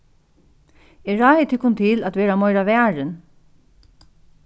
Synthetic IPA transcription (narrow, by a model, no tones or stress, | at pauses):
ɛɹaːjɪt̪ʰɪkːʊnt̪ʰɪlæt̪ʋɛːɾamɔjɾaʋɛːɹɪn